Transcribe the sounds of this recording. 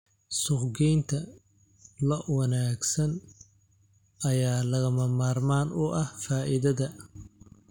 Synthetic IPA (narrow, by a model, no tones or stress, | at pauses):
sʊχɡɛjnt̪ʰɐ | lɔwɐnaːɡsɐn | ʔɐjaːlɐɣɐmɐmaːrmaːnʔʊʔɐhfaːʔɪðɐðɐ